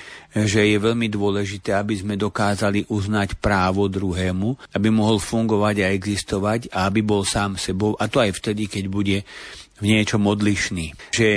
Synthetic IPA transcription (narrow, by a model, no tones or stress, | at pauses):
ʒɛjɛʋɛʎmid̪ʊɔlɛʒit̪ɛːabizmɛd̪ɔkaːzaliʔuznacpɾaːʋɔd̪ɾuɦɛːmuabimɔɦɔlfuŋɡɔʋaɟaɛɡzist̪ɔʋaɟaabibɔlsaːmsɛbɔʊʔat̪ɔajft̪ɛd̪ikɛɟbuɟɛvɲɪɛt͡ʃɔmɔd̪liʃniːʒɛ